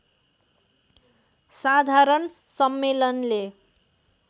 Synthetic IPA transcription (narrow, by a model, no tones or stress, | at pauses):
sad̪ʱaɾʌn | sʌmːelʌnle